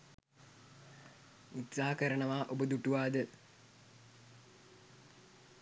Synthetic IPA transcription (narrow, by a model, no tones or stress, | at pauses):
it̪saɦakəɾənəʋaːʔobəd̪uʈuʋaːd̪ə